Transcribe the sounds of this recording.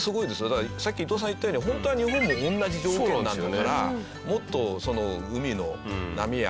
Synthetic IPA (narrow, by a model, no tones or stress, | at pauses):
sɨɡo̞id̪e̞sɨjod̪aksakʲːit̪oːs̬ãit̪ːajoːɲiɦõ̞nt̪o̞aɲ̟iɦõ̞mːo̞ʔõnːaʑid͡ʑoːkkkʲoːnãnd̪aaɾa | mo̞t̪ːo̞so̞no̞ɯ̟mʲino̞na̰mʲija̰